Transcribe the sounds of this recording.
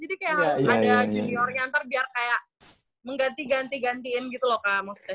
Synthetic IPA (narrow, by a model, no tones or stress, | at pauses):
d͡ʒadikajaʔhaɾʊsadad͡ʒuniɔrɲaːnt̪arbiarkajaʔ | məŋɡant̪iɡant̪iɡant̪iɪnɡit̪ulɔhkamɔst̪ɛ